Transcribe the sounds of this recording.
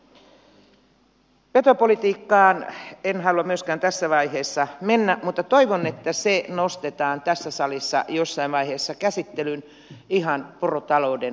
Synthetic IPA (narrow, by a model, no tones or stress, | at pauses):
pet̪opolit̪iːkːɑːnenhɑluɑmyøskæːnt̪æsːæʋɑiheːsːɑmenːæmut̪ːɑt̪oiʋonet̪ːæsenost̪et̪ɑːnt̪æsːæsɑlisːɑ̰josːɑiʋʋɑiheːsːɑkæsit̪ːelyn | ihɑnporot̪ɑlouden